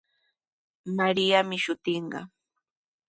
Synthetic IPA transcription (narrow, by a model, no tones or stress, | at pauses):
maɾɪjamɪʃʊt̪ɪɴɢɑ̰